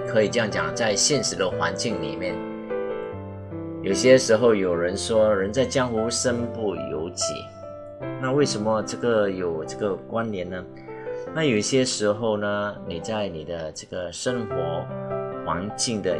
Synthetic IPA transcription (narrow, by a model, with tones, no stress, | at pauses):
kʰɤ˧˥i˨˩ʈ͡ʂjɑ˥˩ŋt͡ɕjɑ̰˨˩ŋt͡sa˥˧ɪɕjɛ˥˩nʂɻ̩˧˥d̪ə˧xwa̰˧˥nt͡ɕi˥˩ŋlḭ˨˩mjɛ˥˩n | jo˨˩ʊɕjɛ˥ʂɻ̩˧˥xo˥˧ʊjo˨˩ʊɻə˧˥nʂwɔ˥ɻə˧˥nt͡sa˥˧ɪt͡ɕjɑ˥ŋxu˧˥ʂə˥npu˥˩jo̰˧˥ʊt͡ɕʰḭ˨˩˦ | na˥˧we˥˩ɪʂə˧˥nmə˧ʈ͡ʂɤ˥˩ɡə˨jo˨˩ʊʈ͡ʂɤ˥˩ɡə˨˩kwa˥nljɛ˧˥nnə˩ | na˥˩jo˨˩ʊ˩ɕjɛ˥ʂɻ̩˧˥xo˥˩˧ʊnə˩ni˨˩t͡sa˥˩ɪni˨˩d̪ə˦ʈ͡ʂɤ˥˩ɡə˩ʂə˥ŋxwɔ˧˥xwa˧˥nt͡ɕi˥˩ŋd̪ə˨